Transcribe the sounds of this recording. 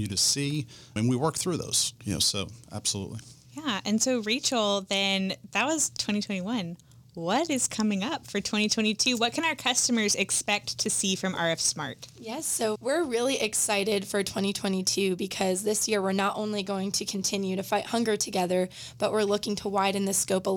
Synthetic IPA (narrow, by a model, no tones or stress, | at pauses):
jɨɾɨsi | ɨ̃nwiwɜ˞k̚θɹʉðo̰ʊz̥jɨno̰ʊsoʊʔæ̰b̥səlṵʔˡlḭjæɨ̃nsoʊɹeɪt͡ʃl̩ˠðɨ̃nðɨt̚wʌz̥tʰw̥ɛ̃ɾ̃itʰw̥ɛ̃ɾ̃iwʌ̃n | wʌɾɨz̥kʰʌmɪ̃ŋʌpfə˞tʰw̥ɛ̃ɾ̃itʰw̥ɛ̃ɾ̃itʰʉwʌt̚kʰɨ̃ñaʊə˞kʰʌstɨmə˞zɨkspɛk̚tʰɨsifɹʌ̃mɑ̰ɹɨfsmɑ̰ɹt̚jɛsoʊwɪɹɹɪlˠiʔɨksaɪɾɪd̥fə˞tʰw̥ɛ̃ɾ̃itʰw̥ɛ̃ɾ̃itʰʉbɨkʰʌzðɪsjɪɹwɪɹnəɾʔõ̰ʊ̃nliɡoʊɪ̃ŋtʰɨkʰn̩tʰɪ̃njʉɾɨfaɪʔhʌ̃ŋɡə˞tʰɨɡɛðə˞ | b̥ʌʔ̚wɪɹlʊkɪ̃ŋtʰəwaɪɾɨ̃nðɨskoʊpə